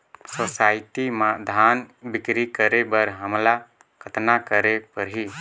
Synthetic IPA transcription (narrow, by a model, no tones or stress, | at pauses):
sosaːɪt̪imãd̪ʱaːnbɪkɾikəɾebəɾɦəmla | kʰət̪nakəɾepəɾɦi